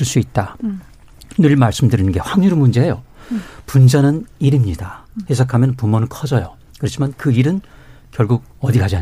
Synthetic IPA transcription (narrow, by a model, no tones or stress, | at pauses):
ɯɭs͈uit̚t͈a | nɯɭmaɭs͈ɯmdɯɾinɯnɡe̞ɸwaŋɲuɾmund͡ʑe̞jopund͡ʑanɯniɾimɲid̥ahe̞sʰakʰamjʌnpumʌnɯnkʰʌd͡ʑʌjo | kɯɾʌt͡ɕʰimankɯiɾɯn | kjʌɭɡuɡ̚ʌdiɡad͡ʑa